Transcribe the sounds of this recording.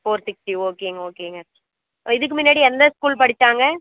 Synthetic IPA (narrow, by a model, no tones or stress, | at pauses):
foːɾsɪk̚ʈːioːkeːŋɡɐoːkeːŋɡɐ | ɪðɯk̬ːɯmɪnːaːɽiɛnd̪ɐskuːlpɐɽɪt͡ʃ̪ːaːŋɡɐ